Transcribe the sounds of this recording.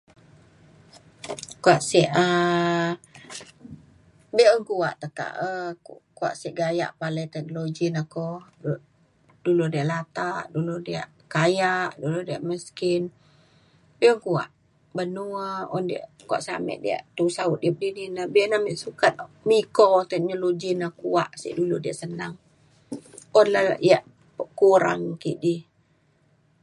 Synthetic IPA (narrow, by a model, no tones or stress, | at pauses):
kuaʔsiʔə | biʔəŋkuaʔt̪əka̰ʔəkua̰ʔsiʔɡaja̰ʔpalət̪ɛk̚nolod͡ʒinakɔ | duludiaʔlat̪aʔduludiaʔ | kajaʔduludiaʔməskin | biəŋkua̰ʔ | bənuəɔndia̰ʔkua̰ʔsa̰mɛ̰ʔdḭa̰ʔt̪usaʊt̪̚diəp̚dininabiənamɛʔsukat̪̚mikot̪ɛk̚nolod͡ʒinakuaʔsḭʔduludiaʔsənaŋ | ɔnlaijaʔ | əkuɾa̰ŋkiʔdih